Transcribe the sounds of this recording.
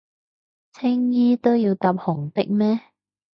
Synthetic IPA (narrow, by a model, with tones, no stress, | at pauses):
t͡sʰɪ˥ŋjiː˥t̪o˥wjiː˧wt̪aː˧p̚hʊ˨˩ŋt̪ɪ˥k̚mɛː˥